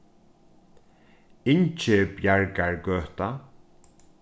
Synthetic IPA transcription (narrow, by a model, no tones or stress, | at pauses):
ɪɲt͡ʃɪpjaɹkaɹɡœːht̪a